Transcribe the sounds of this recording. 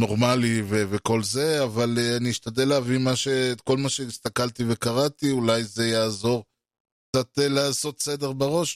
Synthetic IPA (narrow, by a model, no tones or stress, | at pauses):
no̞ʁmaliveveko̞lze̞avaleaniiʃtad̪eleavimaʃe̞ːtko̞lmaʃe̞ist̪akalt̪ive̞kaʁat̪iulajze̞jaːzo̞ʁ | kk̚t͡sat̪elaaːso̞t̪sed̪e̞ʁbaʁo̞ʃ